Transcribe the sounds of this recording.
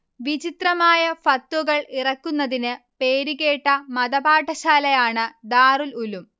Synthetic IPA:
ʋit͡ɕit̪rɐmaːjɐfɐt̪ːwuɣɐɭirɐkːunːɐðinɨ | peːɾiɣe̞ːʈːɐmɐd̪ɐbaːʈːɐɕaːlɐjaːɳɨd̪aːrululum

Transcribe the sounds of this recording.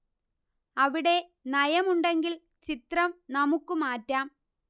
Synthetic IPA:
ɐʋiɽe̞nɐjɐmuɳɖe̞ŋɡil | t͡ɕit̪rɐmnɐmukːumaːtːaːm

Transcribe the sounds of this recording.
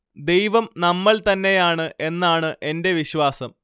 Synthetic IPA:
d̪e̞jʋɐmnɐmːɐɭt̪ɐnːe̞jaːɳɨʔe̞nːaːɳɨʔe̞nde̞ʋiɕʋaːsɐm

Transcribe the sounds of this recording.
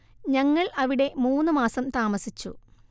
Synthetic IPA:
ɲɐŋːɐɭɐʋiɽe̞muːnːɨmaːsɐmt̪aːmɐsit͡ɕːṵ

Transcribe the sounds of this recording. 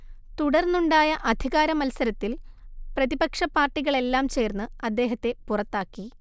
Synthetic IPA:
t̪uɽɐrnuɳɖaːjɐʔɐd̪ʱiɣaːɾɐmɐlsɐɾɐt̪ːilprɐðibɐkʂɐpːaːrʈːiɣɐɭe̞lːaːmt͡ɕe̞ːrnːɨɐd̪ːe̞ːɦɐt̪ːe̞purɐt̪ːaːkːi

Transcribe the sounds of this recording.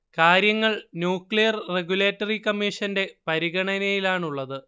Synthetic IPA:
kaːɾjɐŋːɐɭnjuːkɭijɐrreɡjule̞ːtːɐrikɐmːiʂɐnde̞pɐɾiɣɐɳɐnɐjilaːɳuɭːɐðɨ

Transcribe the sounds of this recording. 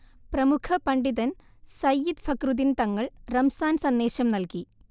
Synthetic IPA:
prɐmukʰɐpɐɳɖiðɐn | sɐjːid̪fʰɐkruðint̪ɐŋːɐɭrɐmsaːnsɐnd̪eːɕɐmnɐlki

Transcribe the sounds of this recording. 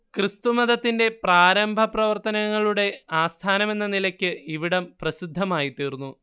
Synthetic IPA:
krist̪umɐðɐt̪ːinde̞praːɾɐmbʱɐprɐʋɐrt̪ɐnɐŋːɐɭuɽe̞aːst̪ʰaːnɐme̞nːɐnilɐkʲːɨiʋiɽɐmprɐsid̪ʱːɐmaːjit̪iːrunːu

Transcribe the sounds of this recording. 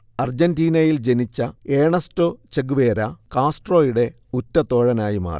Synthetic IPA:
ɐrd͡ʑɐndiːnɐjild͡ʑe̞nit͡ɕːɐeːɳɐstot͡ɕeɡuʋeːɾɐkaːsʈro̞ːjuɽe̞ | utːɐt̪o̞ːɻɐnaːjima̰ːr

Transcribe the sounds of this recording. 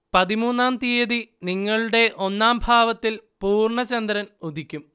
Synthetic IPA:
pɐðimuːnːaːmt̪iɐðiniŋːɐɭuɽe̞ʔo̞nːaːmbʱaːʋɐt̪ːilpuːrɳɐt͡ɕɐnd̪ɾɐnud̪ʱikʲːum

